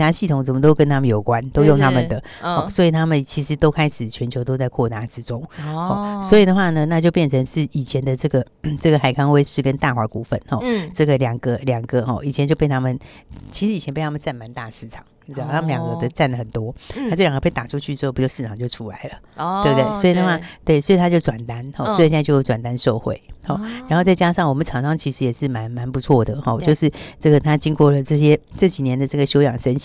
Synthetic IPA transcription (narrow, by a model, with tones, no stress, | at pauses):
a˥ɕi˥˩t̪ʰʊ˨˩ŋt͡sə˨˩mə˦t̪o˥ʊkə˥nt̪ʰa˥mə˨jo˨˩ʊkwa˦nt̪o˥ʊjʊ˥˧ŋt̪ʰa˥mə˨nd̪ə˩ | xɔ˥˩swɔ˧˥i˨˩t̪ʰa˥mə˨nt͡ɕʰi˧˥ʂɻ̩˧˥t̪o˥ʊkʰa˥ɪʂɻ̩˨˩t͡ɕʰɥɛ˧˦nt͡ɕʰjo˧˥ʊt̪o˥ʊt͡sa˥˧ɪkʰɔ˥˩t̪a˥˩ʈ͡ʂɻ̩˧˥ʈ͡ʂʊ˥ŋxɔ˥˩swɔ˧˥i˨˩d̪ə˩xwa˥˩nə˩na˥˧t͡ɕjo˥˧ʊpjɛ˥˩nt͡sʰə˧˥ŋʂ̩˥˩i˨˩t͡ɕʰjɛ˧˥nd̪ə˨ʈ͡ʂɤ˥˩ɡə˩ | ʈ͡ʂɤ˥˩ɡə˩xa˨˩ɪkʰɑ˥ŋwe˥ɪʂɻ̩˥˩kə˦nt̪a˥˩xwa˧˥ku˨˩fə̰˥˨nxɔ̰˨˩ʈ͡ʂɤ˥˩ɡə˩ljɑ˨˩ŋɡə˧˦ljɑ˨˩ŋɡə˦xɔ̰˥˩ʔi˨˩t͡ɕʰjɛ˧˦nt͡ɕjo˥˧pe˥˩ɪt̪ʰa˥mə˨nt͡ɕʰi˧˥ʂɻi˨˩ɛ˧npɪt̪ʰa˥mə˨˧t͡sa˥˩nma˧˥nt̪a̰˥˧ʂɻ̩˥˩ʈ͡ʂʰɑ̥˨˩˦ŋ˧˩ɻ̩˥ɑ˥˩˥mə˨nljɑ˨˩ŋɡə˧˦ɡd̪ə˧t͡sa˥˩nlə˩xə˨˩nt̪wɔ˥a˥o˥˩ljŋɡə˧e˥˩ɪt̪a˨˩ʈ͡ʂʰu˧˥t͡ɕʰy˥˧t͡spu˧t͡ɕo˥˧ʂɻ̩ʰ˥˩ɑ˨˩ŋt͡ɕjo˥˩ʊʈ͡ʂʰu˦˥la˨˦ɪlə˨ | t̪we˥˧twe˥˩ɪswɔ˧˥i˨˩na˥˧a˥˧t̪we˥˩ɪswɔ˧˥i˨t̪ʰa˦˥t͡ɕjo˥˩ʊʈ͡ʂwa˨˩nt̪a˦nxɔ˥˧swi˥˧t͡ɕjo˥˧ʈ͡ʂwa˨˩nt̪a˥nʂo˥˧ʊxwḛ˥˩ɪxɔ˥˨˩ɻa˧˥nxo˥˧ʊt͡sa˥˩t͡ɕja˥ʂɑ˥˩ŋwɔ˨˩mə˦nʈ͡ʂʰɑ˨˩ŋʂɑ˥ŋt͡ɕʰi˧˥ʂɻ̩˧˥jɛ˨˩ʂɻ̩˥˩ma˧˥nma˧˥npu˧˥t͡sʰwɔ˥˩d̪ə˩xɔ˥˧t͡ɕjo˥˧ʊʂɻ̩˥˩ʈ͡ʂɤ˥˩ɡə˩t̪ʰa˥t͡ɕi˥ŋkwɔ˥˩lə˩ʈ͡ʂɤ˥˩ɕ̬jɛ˥ʈ͡ʂɤ˥˩t͡ɕi˨˩njɛ˧˥nd̪ə˨ʈ͡ʂɤ˥˩ɡə˩ɕjo˥ʊjɑ˨˩ŋʂə˥n